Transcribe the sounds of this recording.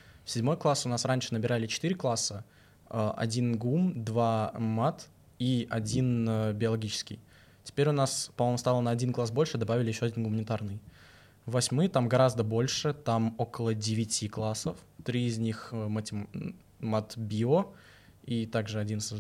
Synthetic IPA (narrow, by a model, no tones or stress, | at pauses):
fsʲɪdʲmo̞jklˠasʊnasɾanʲʂɨnəbʲɪɾalʲɪt͡ɕɪ̥t̪iɾʲɪklˠasə | əʔɐ̰dʲinɡumd̪vamat̪ | iʔɐdʲinəbʲɪɐlˠɐɡʲit͡ɕɪ̥skʲɪ̰j | tʲɪ̥pʲeɾʲʊnaspɐmojmʊst̪alˠənəɐdʲinklˠasbo̞lʲʂɨd̪ɐbavʲɪlʲɪjɪɕːoɐdʲinɡʊmənʲɪt̪arnɨj | vɐsʲmɨjt̪amɡɐɾazd̪əbo̞lʲʂɨt̪amo̞kəlˠədʲɪvʲɪtʲiklˠasəft̪ɾʲiɪzʲnʲixmɐtʲɪ | mat̪bʲio | it̪aɡʐɨɐdʲins